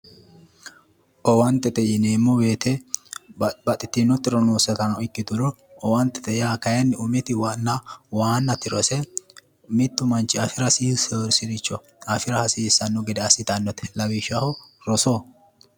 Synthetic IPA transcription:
ʔɔwɐnt̪ːɛt̪ɛjɛneːmːɔweːt̪ɛ | bɐt̪ʼːɪt̪ːinɔt̪ːɪɾɔnoːsɐt̪ɐnɐɪkːɪd̪ʊɾɔ | ɔwɐnt̪ːɛ̥t̪ɛjaːkɐjɐnːɪʊmɪt̪ɪwɐnːɐwaːnːɐt̪ɪɾɔsɛ | mɪt̪ːʊmɐnt͡ʃːɪɐfɪɾɐsiːsɔɾsɪɾɪt͡ʃːɔ | ɐfɪɾɐhɐsiːsːɐnːʊɡɪd̪ɛɐsɪt̪ɐnːɔt̪ɛ̥lɐwɪʃɐhɔɾɔso

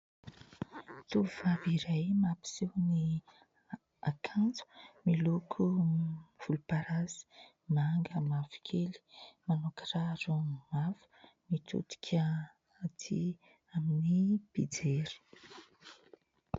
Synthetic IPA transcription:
t̪uvaviɾajmapi̥sewni | akʰant͡su̥milukʰu | v̥ulupaɾazi̥ | maŋɡəmavi̥kʲʰeli̥manukraɾumavu̥mit̪ʰṵt̪i̥kʰʲə | at̪ʰi | aminib̥id͡zeɾi̥

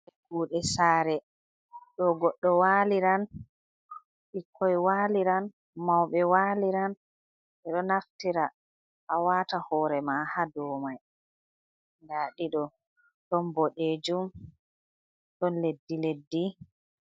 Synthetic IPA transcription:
ɛɡuːɗɛsaːɾɛ | ɗɔɡɔɗːɔwaːliɾan | ɓikʰːɔjwaliɾan | mawɓɛwaliɾan | ʔɛɗɔnaftiɾa | ʔawatahɔɾɛmahadɔːmaj | ndaːɗiɗɔ | ɗɔnbɔɗed͡ʒum | ɗɔnledːiledːi

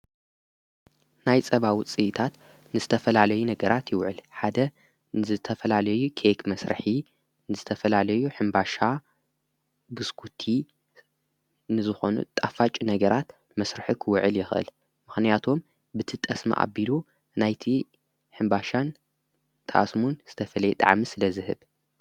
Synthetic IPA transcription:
najt͡sʼɐβawit͡sʼɨt̪ʰat̪ | nɨzɨt̪ʰɐfɐlalɐjunɐɡɐɾat̪jɪwʕɨlħad̪ɐ | nɨzɨt̪ʰɐfɐlalɐjukʰekmɐsɾɨ̰ħi | nɨzɨt̪ʰɐfɐlalɐjuħɨmbaʃa | bɨskʰut̪ʰi | nɨzɨxo̞nṵt̪ʼafat͡ʃʼinɐɡɐɾat̪ | mɐsɾɨħikʰɨwʕɨljɪxʔɨ̰l | mɨxnijat̪ʰo̞m | bɨt̪ʰɨt̪ʼɐsmɐ̰ʔa̰bilu | najt̪ʰi | ħɨmbaʃan | t̪ʼʰa̰smunz̥ɨt̪ʰɐfɐlɐjɛt̪ʼa̰ʕmisɨlɐzɨhɨ̰β

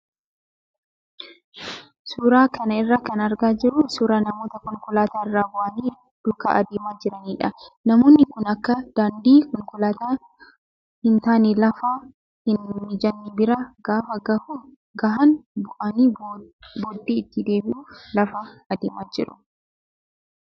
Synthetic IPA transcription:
suːɾaːkɐnɐɪrːaːkɐnɐɾɡaːd͡ʒɪɾʊsuːɾaːnɐmo̞ːt̪ɐkɔŋkʊlaːt̪aːɪrːaːbʊʔɐniː | d̪̥ʊkɐ̰ʔɐ̰d̪eːmaːd͡ʒɪɾɐniːᶑɐnɐmo̞ːnːɪkʊnɐkːɐd̪̥aːnd̪iːkɔŋkʊlaːt̪aː | hɪnt̪aːniːlɐfaː | hɪnmɪd͡ʒɐnːibɪɾaːɡaːfɐɡɐhu | ɡɐɦɐnbʊʔɐniːboːd̪ːiːɪt̪ːɪd̪e̞ːbɪʔuːlɐfaːɐd̪eːmaːd͡ʒɪ̰ɾʊ̥̰

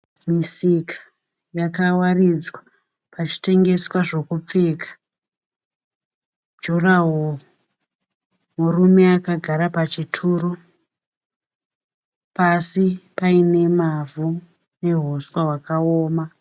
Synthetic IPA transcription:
misikḁ | jakawarid͡zwa | pat͡ʃi̥te̞ŋɡe̞swaʐo̞kup͡fe̞ːkḁ | d͡ʒuraɦo | murume̞akaɡʱaɾapat͡ʃitʰuːɾu | pasipaine̞mavʱu | ne̞ɦoswawakaoːma

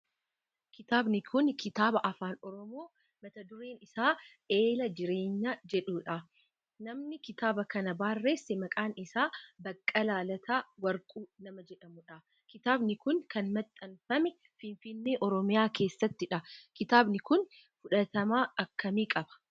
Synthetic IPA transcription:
kɪt̪aːbnɪkʰʊnkɪt̪aːbɐʔɐfaːnɔɾɔmo̞ː | mɐt̪ɐd̪ʊɾeːnɪsaː | e̞ːlɐd͡ʒɪɾe̞ːɲːad͡ʒɛᶑuːᶑɐ | nɐmnɪkɪt̪aːbɐkɐnɐbaːrːeːsːɛmɐkʼaːnɪsaːbɐkʼːɐlaːlɐt̪ʰaːwɐɾkʼuːnɐmɐd͡ʒɛᶑɐmʊᶑɐ | kɪt̪aːbnɪkʊnkɐnmɐt̪ʼːɐnfɐmɛ | fɪnfɪnːeːʔɔɾɔmɪjaːke̞ːsːɐt̪ːɪᶑɐkɪt̪aːbnɪkʊn | fʊᶑɐt̪ɐmaːɐkʰːɐmiːkʼɐbɐ̥

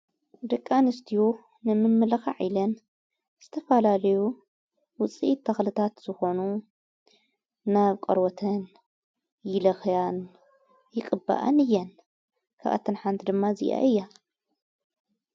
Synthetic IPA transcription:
d̪ɐkʼːanɨst̪ʰiju | nɨmɨmːɨlɐxa̰ʕilɐn | z̥ɨt̪ʰɐfɐlalɐju | wʊt͡sʼiʔt̪ʰːɐxlɨt̪ʰat̪z̥ɨxo̞nu | naβkʼɐɾwɔt̪ʰɐn | jɪlɐxjan | jɪkʼɨba̰ʔɐ̰nɨjːɐn | kʰa̰ʔa̰t̪ʰːɨnħant̪ʰid̪ɨmːazḭʔa̰ʔɨjːa

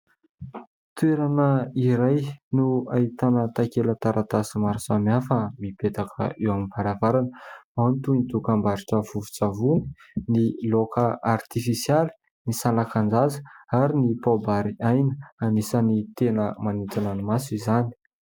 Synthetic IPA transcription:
t̪ueɾanəiɾajnuait̪anət̪akelət̪aɾat̪asimaɾsamiafəmipet̪akʰə̰ewamivaɾavaɾanant̪uinit̪ukambaɾiʈ͡ʂəv̥uvu̥t͡savuni̥ | nilokaʔart̪ifisjali̥ | nisalakand͡zazə̥aɾinipabaɾiajnəanisənit̪enəmanit͡s̪ananimasuizani̥

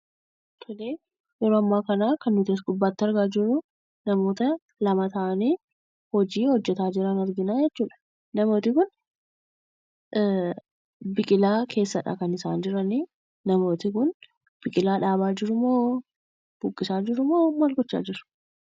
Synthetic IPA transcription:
t̪ʰɔleː | jɛɾoːɐmːaːkɐnaːkɐnːʊt̪eːs̬ɡʊbːaːt̪ːɪɐɾɡaːd͡ʒɪɾʊ | nɐmo̞ːt̪ɐ | lɐmɐt̪ɐʔɐniː | hɔd͡ʒiːhɔd͡ʒːɛt̪aːd͡ʒɪɾɐnɐɾɡɪnaːd͡ʒɛt͡ʃːuːᶑɐ̥ | nɐmo̞ːt̪ɪkʊn | bɪkʼɪlaːkʰe̞ːsːɐᶑa̰kɐnɪsaːnd͡ʒɪɾɐni | nɐmo̞ːt̪ɪkʊn | b̥ɪkʼɪlaːᶑaːβaːd͡ʒɪɾʊmoː | b̥ʊkʼːɪsaːd͡ʒɪɾʊmoːmɐlkɔt͡ʃːa̰ːd͡ʒɪɾʊ̥

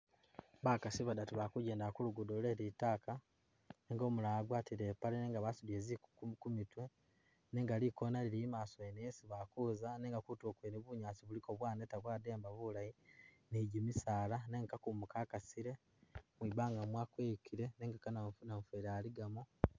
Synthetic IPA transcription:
βaːkasiβadatiβakuɟe̞ːndakuluɡudoleɾitaːka | neːŋɡo̞ːmulaɡwaːtiɾeːpaleneːŋɡaβasuβieːzikukumitwe | neːŋɡalikonalilimaːsoenesiβakuzaneːŋɡakutoːkweniβuɲaːt͡siβuliko̞βwaːnetaβwaːde̞ːmbaβulaji | neɟimisaːlaneŋkakumukaːkasiɾe̞ | mwibaːŋɡamwaːkweːkʰiɾe̞neːŋɡakananaɱfeɾaːliɡamo

